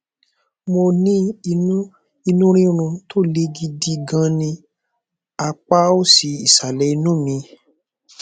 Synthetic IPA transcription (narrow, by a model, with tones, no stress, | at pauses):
mo˧nĩ˦i˧nũ˦ | i˧nũ˦ɾ̃ĩ˦ɾ̃ũ˧to˦˨le˦ɡi˧di˧ɡã˧nĩ˧ | a˧k͡pa˦o˦si˧i˨sa˨lɛ˨˦i˧nũ˦˨mĩ˧